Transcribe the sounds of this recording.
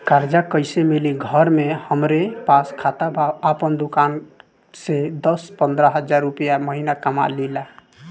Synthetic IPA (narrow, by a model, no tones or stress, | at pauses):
kaɾd͡ʒakəɪsemiliɡʱəɾmehəmɾepaskʰat̪abʱaapənd̪ukan | sed̪ʌspənd̪ɾəɦəd͡ʒaɾːupjaməɦinakəma̰lila